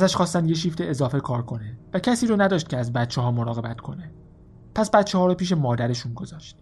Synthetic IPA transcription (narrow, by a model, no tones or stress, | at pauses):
ʔæzæʃxɒːst̪ænd̪je̞ʃiːft̪e̞ezɒːfe̞kʰɒːɾkʰo̞nevæcʰæsiːɾoːnæd̪ɒːʃt̪cʰʲeæzbæt̪̚t͡ʃʰeɦɒːmoɾɒːɣe̞bæt̪kʰo̞ne | pʰæsbæt̪t͡ʃʰehɒːɾopiːʃ̬emɒːd̪æɾe̞ʃuːnɡo̞zɒːʃt̪